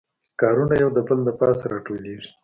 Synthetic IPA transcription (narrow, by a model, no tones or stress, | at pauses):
kɑːɾunajawd̪əbəld̪əpɑsɾɑʈoleʐi̥